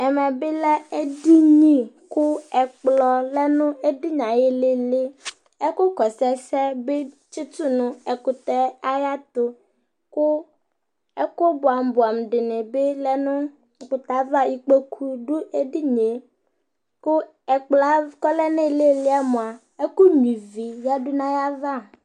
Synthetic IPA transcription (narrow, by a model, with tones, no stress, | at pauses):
ɛ˨mɛ̃˨be˦lɛ˦e˦di˦ɲĩ˦kʊ˦ɛ˨k͡plɔ˨lɛ˦nʊ̃˦e˦di˦ɲã˨je˦le˦le˦ | ɛ˦ko˦kɔ˨sɛ˦sɛ˦be˦ | t͡ʃi˦t̪u˦nʊ̃˦ɛ˨kʊ˨t̪ɛ˦a˦ja˦t̪o˦ | kʊ˦ | ɛ˦ko˦bʊ˨a˨m˨bʊ˨a˨m˨ɖɪ˨nɪ̃˨be˦lɛ˦nʊ̃˦˨ | kʊ˨t̪a˨˦va˦ji˨k͡pe˦kʰu˦ɖʊ˦e˦ɖi˦ɲe˨ | kʊ˦ | ɛ˨k͡plɔ˨˦a˦kɔ˦lɛ˦nẽ˦˨le˦lɪ˦a˦mõ˨a˨ | e˦ko˦ɲĩ˨vi˨ja˦ɖʊ˦nã˦ja˦va˦